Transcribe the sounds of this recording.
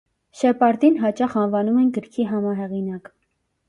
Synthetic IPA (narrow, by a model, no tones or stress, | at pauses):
ʃɛpɑɾd̪inɦɑt͡ʃɑχɑnvɑnumɛnɡəɾkʰiɦɑmɑɦɛʁinɑk